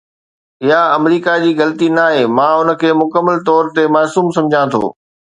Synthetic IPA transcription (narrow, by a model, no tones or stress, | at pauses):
ɪɦaɐmɾiːkad͡ʑiːɣɐlt̪inaːɦeːmãːʊnə̆kʰeːmʊkəmːəlt̪ɔːɾt̪emaːsuːmsɐ̃md͡ʑʱãt̪ʰo̰ː